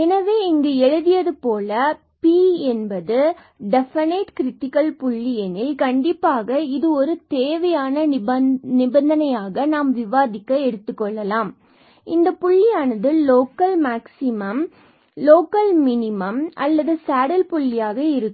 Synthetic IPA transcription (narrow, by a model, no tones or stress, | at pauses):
ɛnɐʋeːɪŋɡeɛɻɯðɪjɐðɯpoːlɐ | piːɛnbɐðɯ | ɖɛfɐneʈkɪɾɪʈːɪkɐlpʊɭːɪjɐnɪlkɐɳɖɪpːaːɣɐɪðɯɔɾɯt̪eːʋɐjaːnɐnɪbɐnd̪ɐnɐjaːɣɐnaːmʋɪʋaːðɪkːɐɛɽɯt̪ːɯkːɔɭːɐlaːm | ɪnd̪ɐpʊɭːɪjaːnɐðɯːoːkɐlmaːksɪmɐm | loːkɐlmɪnɪmɐmʔɐ̰lːɐðɯsaːɽɐlpʊɭːɪjaːɣɐɪɾɯkːɯ